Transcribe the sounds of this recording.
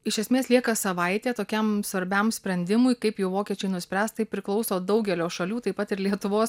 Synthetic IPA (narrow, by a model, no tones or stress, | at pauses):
ɪʃʲɛsʲmʲeːslʲiɛkɐsɐʋɐɪt̪ʲeːt̪oːkʲɛmsʋɐɾʲbʲɛmsʲpʲɾʲɛnʲd̪ʲɪmʊɪkɐɪpjɛʊʋoːkʲiɛt͡ʃʲɛɪnʊsʲpʲɾʲæːst̪t̪ɐɪpʲɾʲɪklˠɒʊsoːd̪ɐʊɡʲɛlʲoːʃɐlʲuːt̪ɐɪpɐt̪ɪɾlʲiɛt̪ʊʋoːs